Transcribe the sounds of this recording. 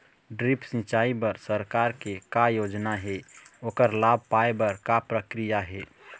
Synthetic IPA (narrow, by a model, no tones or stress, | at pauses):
ɖɾipsĩt͡ʃaibəɾsəɾkaɾkekajod͡ʒnaɦɛoːkəɾlab̚ʱpaebəɾkapɾəkɾijaɦɛ